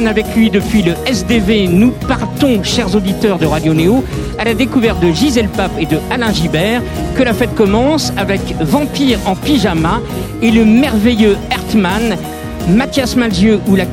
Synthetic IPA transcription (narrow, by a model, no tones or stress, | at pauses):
navɛklɥid̪əpɥiləɛsd̪evenupaʁt̪ɔ̃ʃɛʁzod̪it̪œʁd̪əʁad̪joneo | alad̪ekuvɛʁt̪̚d̪əʒizelpaped̪əalɛ̃ʒibɛːʁ | kəlafɛt̪̚kɔmɑ̃savɛkvɑ̃piʁɑ̃piʒama | eləmɛʁvejøɛʁt̪man | mat̪jasmalzjøula